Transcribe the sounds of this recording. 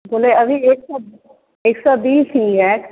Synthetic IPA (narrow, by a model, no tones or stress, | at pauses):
boːleəbieːksɔb | eːksɔbiːsiːɛːk